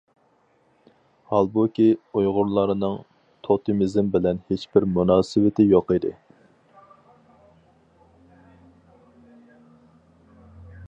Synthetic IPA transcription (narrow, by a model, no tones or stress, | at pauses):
hɑlˠbukʲiujʁʊɾlˠɑɾɨnɨŋ | t̪ʰot̪ʰɨmizmbɪlɛnhet͡ʃbɪɾmunɑːsɪwɪt̪ʰɪjoqɨd̪ɨ̰